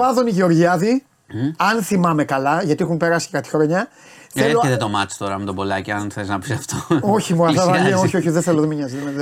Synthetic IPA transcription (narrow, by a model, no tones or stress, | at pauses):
ɐðoniʝeo̞ɾʝiɐði | ɐnθimɐme̞kɐlɐʝɐt̪iexumpe̞ɾɐsi̥ekɐt̪i̥xɾoɲɐ | θeleðet̪omɐt͡ʃt̪oɾɐmut̪obolɐciɐnθeliznɐpisɐft̪ooçimuɐðɐvɐʎioçioçiðeθeloðemiɲɐzðme